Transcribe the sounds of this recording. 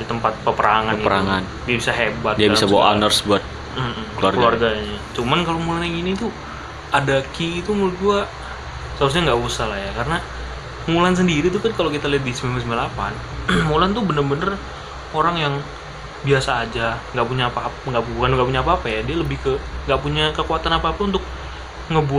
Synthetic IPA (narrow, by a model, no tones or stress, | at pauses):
dit̪əmpat̪̚pəpəɾaŋanpəɾaŋan | diabisaɦebat̪diabisabawa̰ʔa̰nərsbuat̪̚ | m̩m̩kluarɡəluarɡaɲat͡ʃumankalomulanjaŋinit̪u | adakiːt̪umult̪̚ɡua | səɾus̬ɲaŋɡaʔusahlajakarəna | mulans̬əndiɾit̪̬ukankalokit̪aliɦat̪̚dismiməs̬əmilapa̰n | mulant̪ubənərbənər | oɾaŋjaŋ | biasaːd͡ʒaŋɡaʔpuɲaːpaŋɡaʔpukanɡaʔpuɲaːpaːpajadialəbɪhkəŋɡaʔpuɲakəkuat̪anapaːpaunt̪ʊk̚ | ŋəbu